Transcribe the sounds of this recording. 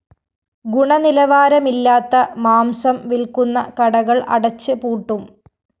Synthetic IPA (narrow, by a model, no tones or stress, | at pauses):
ɡuɳɐnilɐʋaːɾɐmilːaːt̪ːɐmaːmsɐmʋilkunːɐkɐɽɐɣɐɭɐ̰ɽɐt͡ɕːɨpuːʈːum